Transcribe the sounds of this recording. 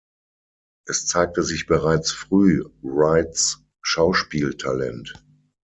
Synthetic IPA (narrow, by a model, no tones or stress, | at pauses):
ʔɛst͡saɪk̚təzɪçb̥əʁaɪt͡sfʁ̥yːʁaɪtt͡s | ʃaʊʃpiːltʰalɛ̰nt